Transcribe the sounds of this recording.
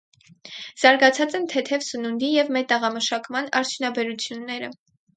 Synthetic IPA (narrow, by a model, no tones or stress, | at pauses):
z̥ɑɾɡɑt͡sʰɑt͡sɛnt̪ʰɛt̪ʰɛvsənund̪ijɛvmɛt̪əʁɑməʃɑkmɑnɑɾt͡sʰjunɑbɛɾut͡sʰjunːɛɾə̰